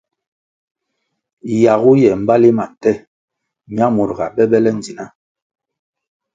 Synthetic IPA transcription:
ja˨ɣu˦jɛ˨m̩˦ba˦li˦ma˨tɛ˦˨ | ɲi˦a˦mo˨ɾɡa˨bɛ˦bɛ˦lɛ˦n˨d͡zi˨na˦

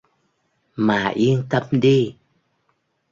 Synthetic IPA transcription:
maː˨˩ʔi˧ənt̪ə˧mɗi˧

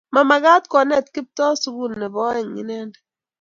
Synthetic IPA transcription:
ma˨ma˨ɡa˦tkɔ˨nɛ˦˨tki˦p̚tɔ˦su˦ɡu˦˨nːɛ˨bɔ˦ɛ˨ŋḭ˦nɛ˦nd

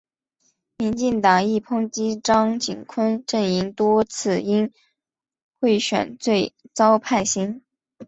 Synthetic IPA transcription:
mi˧˥nt͡ɕi˥˩ŋt̪ɑ˨˩ŋi˥˩pʰɤ˥ŋt͡ɕi˥ʈ͡ʂɑ˥ŋt͡ɕi˨˩nkʰwə˥nʈ͡ʂə˥˩ni˧˥ŋt̪wɔ˥t͡sʰɹ̩˥˩i˥n | xwe˥˩ɪɕɥɛ̰˨˩˦nt͡swe˥˩ɪt͡sɑ˥ʊpʰa˥˩ɪɕi˥n

